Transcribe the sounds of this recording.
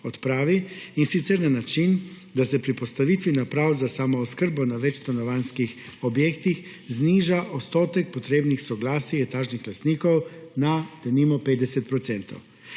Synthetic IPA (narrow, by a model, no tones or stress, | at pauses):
ɔt̪pɾaːʋiinsit̪sɛɾnanat͡ʃin | d̪asɛpɾipɔst̪aʋiːt̪ʋinapɾawzasamɔɔskəɾbɔnaʋɛt͡ʃst̪anɔʋanskixɔbjeːkt̪ix | zniːʒaʔot̪st̪oːt̪ɛk̚pɔt̪ɾeːbnixsɔɡlaːsiɛt̪aːʒnixlast̪niːkɔwnat̪ɛnimɔpeːd̪d̪ɛsɛt̪̚pɾɔt̪sɛnt̪o̰w